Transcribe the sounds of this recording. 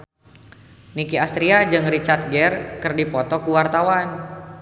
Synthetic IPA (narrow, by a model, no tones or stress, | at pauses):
nikiast̪ɾiad͡ʒɨŋrit͡ʃart̪̚ɡɛrkərdipɔt̪ɔkuwart̪awan